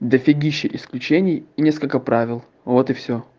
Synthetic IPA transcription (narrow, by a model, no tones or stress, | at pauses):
d̪əfʲɪɡʲiɕːɪʔɪsklʲʉt͡ɕenʲɪjɪnʲe̞skəlʲkəpɾavʲɪlˠ | vo̞t̪ɨfsʲo